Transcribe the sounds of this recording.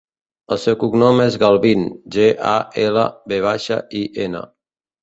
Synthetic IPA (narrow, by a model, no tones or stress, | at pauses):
əlˠsɛwkuɡnɔmezɣalˠβinʒeʔa̰elə̰beβ̞aʃə̰ʔiʔenə̰